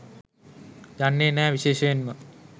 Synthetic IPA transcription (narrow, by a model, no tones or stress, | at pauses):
d͡ʒanːeːnæːʋiɕeːʃəʋenmə